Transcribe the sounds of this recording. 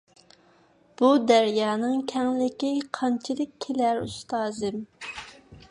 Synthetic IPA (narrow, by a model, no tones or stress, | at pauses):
b̥ud̪æɾjɑːnɨŋkʲʰɛŋlɪkʲiqʰɑnt͡ʃʰɪd̪ɪkʲʰːelæɾṵst̪ɑːzɨm